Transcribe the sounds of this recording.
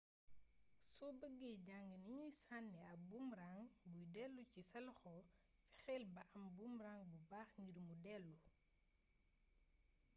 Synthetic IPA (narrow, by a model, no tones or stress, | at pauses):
sɔbəɡːɛɟaŋɡəniɲujsanːɛɐbumɾaːŋbujdɛlːucisɐlxɔfɛxɛːlbɐʔɐmbumɾaŋbubaːxɲiɾmudɛlːu